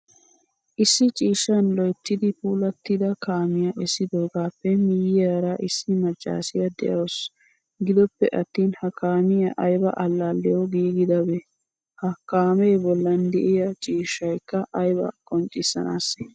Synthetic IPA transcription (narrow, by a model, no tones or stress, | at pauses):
ʔɪsːɪt͡ʃʼiːʃːɐnlɔjt̪ːɪd̪ɪpuːlɐt̪ːɪd̪ɐkaːmɪjɐʔɛsːɪd̪oːɡaːpːɛmɪjɪjaːɾɐʔɪsːɪmɐt͡ʃʼːa̰ːsɪjɐd̪ɛ̰ʔɐws | ɡɪd̪ɔpːɛʔɐt̪ːiːnhɐkaːmɪjɐʔɐjbɐ̰ʔɐlːaːlːɛjɔɡiːɡɪd̪ɐbɛ | hɐkaːmeːbɔlːɐnd̪ɛ̰ʔɪjɐt͡ʃʼiːʃɐjkːɐʔɐjbɐ̰kʼɔnt͡ʃʼːɪsːɐ̰na̰ːsː